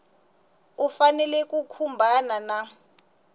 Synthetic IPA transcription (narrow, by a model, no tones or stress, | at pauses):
ufanɛlɛk̬ʼukʰumbʱanana